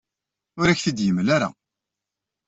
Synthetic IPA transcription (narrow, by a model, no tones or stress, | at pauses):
ʊɾæçθid̪jəmlaɾa̰